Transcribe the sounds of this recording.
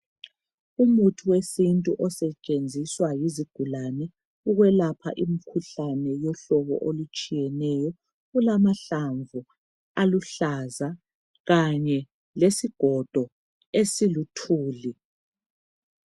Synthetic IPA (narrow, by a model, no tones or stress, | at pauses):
umutʰuwesintʼuʔɔsɛt͡ʃʼend͡zʱiswajiziɡ̥ʱulanɛ | uɣwɛlapʰa̰ʔimikʰuɬanɛjɔɬɔβɔ̰ʔolut͡ʃʼijɛnɛjɔ | ulamaɬaɱvʱu | aluɬaza | ɣaɲɛ | lesiɡ̥ʱɔd̥ʱɔ | esilutʰuːli